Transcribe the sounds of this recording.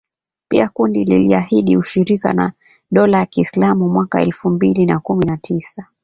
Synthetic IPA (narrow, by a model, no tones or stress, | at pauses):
pḭakundilḭliahiɗiuʃiɾika̰na̰ | ɗɔlajakiːslamumwakaɛlfumbilinakuminatʰisa